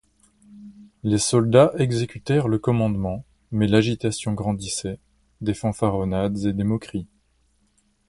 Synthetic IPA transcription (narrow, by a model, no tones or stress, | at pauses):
lesɔld̪aʔɛɡzekʲyt̪ɛʁləkɔmɑ̃d̪mɑ̃ | mɛlaʒit̪asjɔ̃ɡʁɑ̃d̪isɛ | d̪efɑ̃faʁɔnad̪zed̪emɔkχi